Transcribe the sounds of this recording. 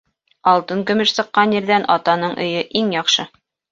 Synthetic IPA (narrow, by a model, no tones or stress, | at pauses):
ɑlˠt̪ɤŋkɵ̆mɘʃsɤ̆qːɑnjɘ̆ɾðænɑt̪ɑnɤɴʔɵ̆jɵʔiŋjɑqʃɤ